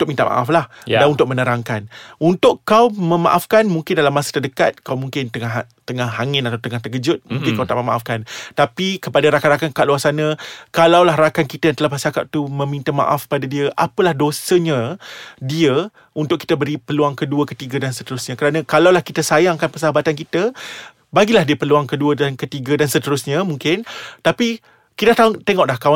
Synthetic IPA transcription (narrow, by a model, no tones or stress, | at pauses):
ut̪ʊk̚mint̪aʔmʔa̰ʔaflahjdanunt̪ʊk̚ʔmənəɾaŋkanunt̪ʊʔkːawmə̃ma̰ʔafkanmuŋkɪndalamasə̥t̪ədəkat̪̚kawmũŋkɪnt̪əŋa | t̪əŋahɦaŋɪnat̪awt̪əŋaht̪əkəd͡ʒʊt̪̚mũŋkɪnkawt̪a̰ʔməmaʔafkant̪apikəpadaɾakanɾakankaʔʔluasanəkalawlaɦɾakankit̪ajant̪əlahpəsaka̰ʔ̚t̪umə̃mint̪əma̰ʔafkpadadiəʔapəlahdosəɲə̃diə | unt̪ʊki̥t̪əbəɾipəluaŋkəduəkət̪iɡədansət̪əɾʊsɲãkəɾanə̃kalawlahkit̪əsajaŋkanpəsaabat̪ankit̪ə | baɡilahdiəpəluaŋkəduədankət̪iɡədansət̪əɾʊsɲãmũŋkɪnt̪api | kidaʔt̪at̪eŋɔʔlahkaw